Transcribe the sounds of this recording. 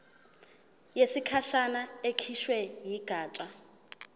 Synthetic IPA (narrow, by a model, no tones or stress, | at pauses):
jesikʰaʃanaekʰiʃwɛjiɡ̥ʱaːt͡ʃʼa